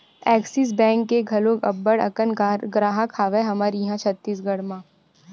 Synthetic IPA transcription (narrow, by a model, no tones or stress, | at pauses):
ɛːksis̬bɛ̃ːŋkːeɡʱɐlõːkɐbːəɽɐ̰kənɡɾaːɦãkʰaːʋeɦɐmaːɾjɐɦãt͡ʃʰɐt̪ːiːs̬ɡɐɽmãː